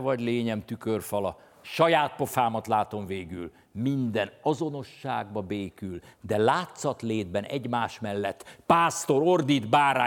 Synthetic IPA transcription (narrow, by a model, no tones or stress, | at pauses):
vɒɟleːɲɛmt̪ykørfɒlɒ | ʃɒjaːt̪̚po̞faːmɒt̪laːt̪o̞mveːɡy̰l | mind̪ɛnɒzo̞no̞ʃːaːɡbɒbeːkyld̪ɛlaːt̪sɒt̪leːd̪bɛnʔɛ̰ɟmaːʃmɛlːɛt̪ːpaːst̪o̞ɾo̞rd̪id̪baːɾa̰ː